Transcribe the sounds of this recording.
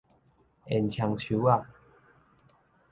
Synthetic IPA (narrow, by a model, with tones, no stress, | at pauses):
e˨nt͡ɕʰja˧ŋt͡ɕʰu˨˧˦a˥˧˨